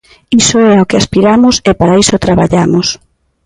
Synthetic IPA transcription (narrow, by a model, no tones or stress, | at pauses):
isoɛaokeaspiɾamʊsɪpaɾaisot̪ɾaβaʎamʊs